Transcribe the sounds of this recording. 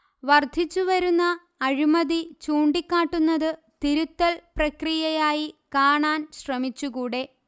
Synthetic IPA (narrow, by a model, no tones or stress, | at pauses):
ʋɐrd̪ʱit͡ɕːuʋɐɾunːɐː | ɻimɐðit͡ɕuːɳɖikʲːaːʈːunːɐðɨ | t̪iɾut̪ːɐlprɐkrijɐjaːjikaːɳaːnɕrɐmit͡ɕːuɣuːɽe̞